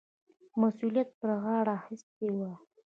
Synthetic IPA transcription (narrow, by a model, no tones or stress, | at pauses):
masulijat̪̚pəɾɣɑɽaxɪst̪̚ewa